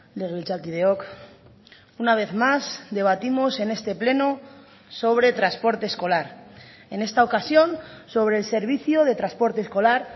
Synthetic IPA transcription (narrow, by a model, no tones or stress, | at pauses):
leɣilt͡ʃalkið̞eok | unaβ̞e̞θmazd̪e̞β̞at̪imo̞se̞ne̞st̪e̞ple̞no | so̞β̞ɾe̞t̪ɾaspo̞ɾt̪e̞ːsko̞laɾ | e̞ne̞st̪aokasjo̞nso̞β̞ɾe̞ːlse̞ɾβ̞iθjoð̞e̞t̪ɾaspo̞ɾt̪e̞ːsko̞laɾ